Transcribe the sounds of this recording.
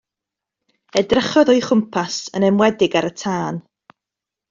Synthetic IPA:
ɛdrəχɔðɔjχʊmpʰasənɛmwɛdɪɡaɾətʰaːn

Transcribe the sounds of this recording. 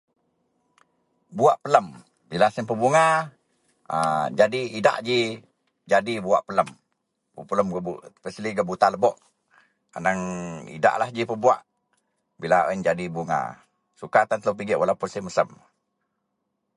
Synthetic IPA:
buaʔpələm | bilasəmpəbuŋa | əd͡ʒadiida̰ʔd͡ʒi | d͡ʒadibua̰ʔpələm | pəpələmɡəbupəsəliɡəbut̪aləbɔʔ | a̰naŋḭda̰ʔlahd͡ʒipəbua̰ʔ | bilao̰ind͡ʒadibuŋa̰ | sukat̪ant̪əwp̬iɡɪʔwʔalapʊnsəməsəm

